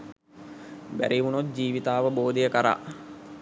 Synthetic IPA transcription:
bæ̰ɾiʋunot̪̚d͡ʒiːʋit̪aːʋəboːd̪ejəkəɾa̰ː

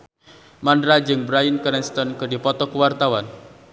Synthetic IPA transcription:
mandɾad͡ʒɨŋbɾajənkəɾɛnst̪ɔnkɨdipɔt̪ɔkuwart̪awan

